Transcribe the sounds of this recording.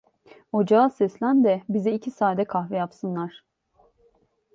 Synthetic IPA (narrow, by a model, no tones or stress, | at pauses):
od͡ʒaasɛslʲænd̪ɛbizɛicʰisaːd̪ɛkʰaxvɛjapsɯnlˠaɾ̥